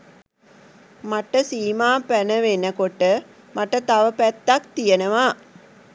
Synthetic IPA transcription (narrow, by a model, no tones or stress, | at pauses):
maʈəsiːmaːpænəʋenəkoʈə | maʈət̪aʋəpæt̪ːakt̪ijənəʋa